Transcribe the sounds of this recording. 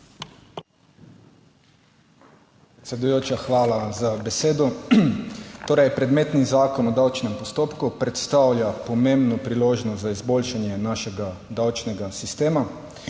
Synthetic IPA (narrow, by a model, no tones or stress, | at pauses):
pɾɛt̪sʲɛd̪ujoːt͡ʃaxʋaːlazabɛseːd̪ɔ | t̪oːɾɛjpɾɛd̪meːt̪nizaːkɔnɔd̪awt͡ʃnɛmpɔst̪oːpkupɾɛt̪st̪awljapɔmembnɔpɾiloːʒnɔst̪zaizboːlʃanjɛnaːʃɛɡad̪awt͡ʃnɛɡasist̪eːma